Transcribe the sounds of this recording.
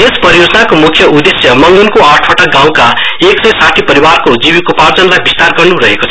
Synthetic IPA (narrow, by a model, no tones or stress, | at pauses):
espʌjod͡zʌnakomukʰːjʌʔud̪esjʌmʌŋɡunkoaʈʰbaʈaɡãw̃kaeksʌjsaʈʰipʌɾibarkod͡zibikopard͡zʌnlajbist̪arɡʌrnuɾʌɦekot͡sʰ